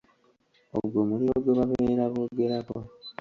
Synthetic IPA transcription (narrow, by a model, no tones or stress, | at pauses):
o̰βuɡomulioβweβaβeɾaβoɡeɾako